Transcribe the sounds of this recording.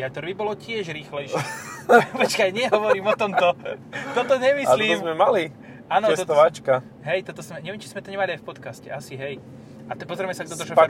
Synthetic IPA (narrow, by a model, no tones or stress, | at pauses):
at̪ɔɾʋibɔlɔcɪɛʒɾiːxlɛjʃ | pɔt͡ʃkajɲɪɛɦɔʋɔɾiːmɔt̪ɔmt̪ɔt̪ɔt̪ɔɲɛmiliːmzmɛmali | aːnɔsɔt̪ɔat͡ʃka | ɦɛjt̪ɔt̪ɔsmɛɲɛʋɛmt͡ʃi̥zmɛt̪ɔɲɛmaliajfpɔt̪kascɛʔasiɦɛj | at̪pɔzɾɛmɛsaɡd̪ɔt̪ɔɾʃɔp